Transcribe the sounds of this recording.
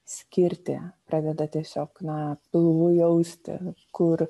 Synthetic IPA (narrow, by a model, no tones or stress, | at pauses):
sʲkʲɪɾʲt̪ʲɪ̰pɾɑːd̪ʲɛd̪ɐt̪ʲiɛsʲoːknɐpʲɪlˠʋʊjɛʊsʲt̪ʲɪ̰kʊɾ